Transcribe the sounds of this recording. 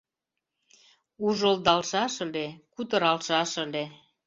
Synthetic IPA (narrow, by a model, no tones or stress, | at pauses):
uʒəld̪ɑlʃɑʃə̆lekut̪əɾɑlʃɑʃə̆le